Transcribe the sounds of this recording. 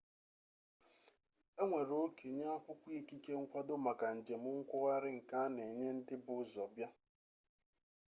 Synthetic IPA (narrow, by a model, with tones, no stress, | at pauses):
e˦ŋʷe˨ɾo˨˦o˦ke˨ɲa˦a˦kʊ˦kʷi˦ki˦ke˦ŋ̩˦kʷa˦dʊ˦ma˨ka˨n̩˨d͡ʒe˨mʊ˦ŋ̩˦kʷʊ˦ɣa˦ɾɪ˦ŋ̩˨ka˦ne˨ɲe˦n̩˦dɪ˦bʊ˨˦zɔ˨bja˦